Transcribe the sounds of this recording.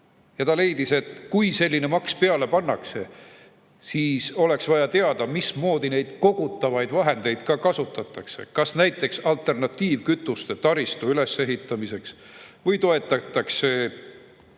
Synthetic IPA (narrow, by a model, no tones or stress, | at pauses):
jɑt̪ɑle̞jd̪̥ise̞t̪kujse̞lʲːine̞mɑkspe̞ɑle̞pɑnːɑkse̞ | siːso̞le̞ksvɑjɑt̪eɑd̪̥ɑmismo̞ːd̪̥ine̞jd̪̥ko̞ɡ̥ut̪ːˑɑvɑjd̪̥vɑɦe̞nd̪e̞jd̪̥kɑkɑsut̪ːˑɑt̪ːˑɑkse̞̰kɑsnæjt̪ːˑe̞ksɑlt̪ˑe̞rnɑt̪ːˑiːvkyt̪ːˑust̪et̪ɑɾist̪uyle̞sːe̞ɦit̪ːˑɑmise̞ks | vɯjt̪o̞e̞t̪ˑːɑt̪ːˑɑkse̞